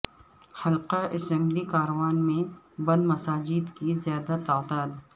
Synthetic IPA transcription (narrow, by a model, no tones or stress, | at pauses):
xɐlqaʔɪsə̃mblikaːɾɐwaːnmẽ | bɐ̃nd̪mɐsaːd͡ʒɪd̪kizjaːd̪at̪aːd̪aːd̪